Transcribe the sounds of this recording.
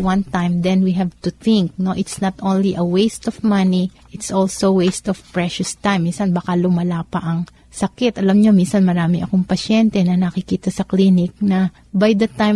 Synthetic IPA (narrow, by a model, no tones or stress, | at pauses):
wɐ̃nt̪ajmd̪ɛnwiɦɛvt̪ʊθɪ̃ŋk̚no̞ʔɪt̪snɐt̪ʔõnliʔɐwejst̪ɔvmɐniʔɪt̪sʔolsowejst̪ɔfpɹɛʃʊst̪ajmːinsɐnbakɐlʊmɐlaːpɐʔɐŋ | sɐkɪt̪ʔɐlɐmɲo̞minsɐnmɐɾaːmɪʔɐkoŋpɐʃjɛnt̪ɛnɐnɐkɪkiːt̪ɐsɐklinɪk̚nɐ | bajd̪ɐt̪aj